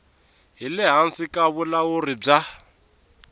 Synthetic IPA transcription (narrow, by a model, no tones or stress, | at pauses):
ɦilɪɦansikʼaβulaurib͡ʐa